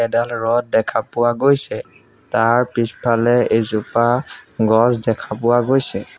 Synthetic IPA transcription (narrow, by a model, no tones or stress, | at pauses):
ɛdalɹɔt̚dɛkʰapʊwaɡojsɛ | taɹpispʰalɛezupaɡɔzdɛkʰapʊwaɡojsɛ